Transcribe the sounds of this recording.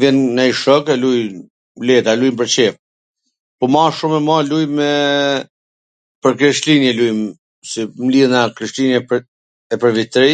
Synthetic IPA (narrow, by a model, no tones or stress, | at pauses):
vjɛnːaiʃɔkɛluj | lɛt̪alujmp̬əɾt͡ɕɛf | pɔmaʃumɛmalujmɛ | pəɾkɾɛʃlinjɛlujm | simliðnakɾiʃlinɛ | ɛpəɾvit̪ɾi